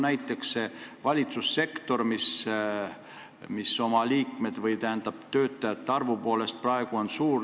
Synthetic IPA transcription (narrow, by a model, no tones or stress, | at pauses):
næjt̪ːˑeksse̞vɑlʲit̪susːe̞kt̪o̞rmis | miso̞mɑliːkme̞d̪̥vɤjt̪æhænd̪ɑb̥t̪ø̞ːt̪ːˑɑjet̪ːɑrvupo̞ːle̞st̪̚prɑe̞ɡ̥uo̞nsuːr